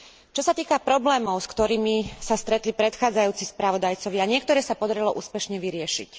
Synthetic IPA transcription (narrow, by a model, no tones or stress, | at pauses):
t͡ʃɔsat̪iːkapɾɔblɛːmɔʊskt̪ɔɾiːmisast̪ɾɛt̪lipɾɛt̪xaːd͡zajuːt͡sispɾaʋɔd̪ajt͡sɔʋɪaɲɪɛkt̪ɔɾɛːsapɔd̪aɾilɔʔuːspɛʃɲɛʋiɾɪɛʃḭc